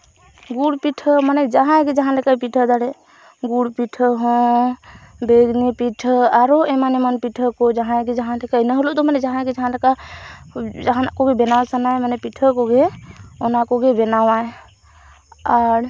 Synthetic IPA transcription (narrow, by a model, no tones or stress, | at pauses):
ɡuɽpiʈʰəmaned͡ʒəɦãɡed͡ʒəɦãləkapiʈʰəd̪aɽɛ | ɡuɽpiʈʰəɦõ | beɡnipiʈʰəaɾoemanemənpiʈʰəkod͡ʒəɦãɡed͡ʒəɦãlekanəɦolot̪ɔmanɛd͡ʒaɦãɡed͡ʒəɦãleka | d͡ʒəɦãkoɡebenawsənajmanepiʈʰəkoɡeonakoɡebenawae | aɾ